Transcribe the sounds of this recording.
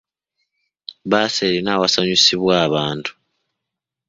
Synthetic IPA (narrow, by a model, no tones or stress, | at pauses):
βaːseɾinaːwasaɲusiβwaːβaːntʰu̥